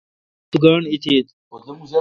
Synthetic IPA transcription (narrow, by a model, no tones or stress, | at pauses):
t̪uɡaːɳit̪ʰiːt̪